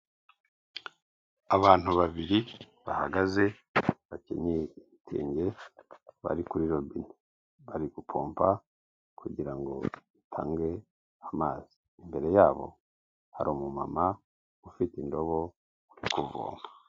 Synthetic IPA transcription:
aβaːn̥uβaβiɾi | βahaɡaze̞ | βacḛɲeiitʰḛːɲɟe̞ | βa̰ɾikuɾiɾobini | βaɾiɡupʰo̞̰ːmpa | kʰuɟiɾaŋɡo̞̰itʰaːŋɡe̞ | amaːz̥i̥ːmbe̞ɾe̞jaːβo̞̰ | haɾomuma̰ma | ufitindo̞βo̞ | uɾikuvo̰ːmba

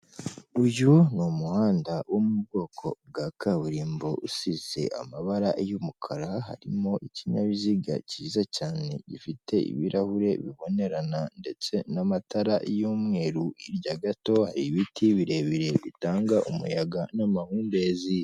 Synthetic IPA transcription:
uʒunomuhaːndawomub̚ɡo̞ːkʰo̞bɡakʰaβuɾiːmbo̞ʔusize̞̰ʔa̰maβaɾaʔejumukʰaɾaɦa̰ɾimo̞ʔiciɲaβiziɡa̰ciːzacaːne̞̰ɟifite̞ḭβiɾʔahuɾe̞βiβo̞ne̞ɾanande̞t͡se̞namataɾaʔjoːmŋe̞ːɾuiɾɟaɡato̞haɾiβitiβiɾe̞βiɾe̞βitaːŋɡaʔumṵjaɡanamahuːnde̞ːzi

